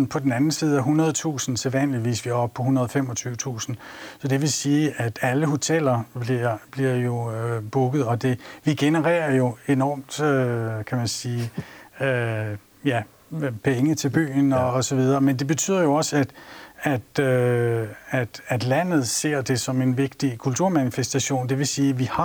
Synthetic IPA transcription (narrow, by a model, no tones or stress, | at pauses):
pʰɒ̽d̥en̩ænn̩siːð̞̩ˠæɦunɐð̞ˠt͡sʰṵːsn̩seðˠʋæn̰liʋḭːsʋiæɒ̽b̥̚pʰɒ̽ɦunɐð̞ˠɒ̽femɒ̽t͡sʰyːʊət͡sʰṵːsn̩sɒ̽d̥e̝ʋe̝siːʔæd̥æləɦo̝t͡sʰel̰ɐb̥liɐb̥liɐ̰jo̝b̥uɡ̥ð̞̩ˠɒ̽d̥e̝ʋiɡ̥e̝nəʁɛ̰ːɐjo̝e̝nɒ̰ːmd̥økʰæmænsiː | jæ | pʰeŋət͡sʰe̝lb̥y̰ːnɒ̽ːsɒ̽ʋið̞ˠɐːmend̥e̝b̥e̝t͡sʰy̰ð̰ˠɐjo̝ɒ̽sæd̥æd̥ø | æd̥æd̥læn̰ð̞̩ˠse̝ɐ̰d̥e̝sɒ̽me̝nʋe̝ɡ̥d̥ikʰult͡sʰuɐ̰mænifesd̥æɕo̝̰ːnd̥e̝ʋe̝siːʋihɑ̈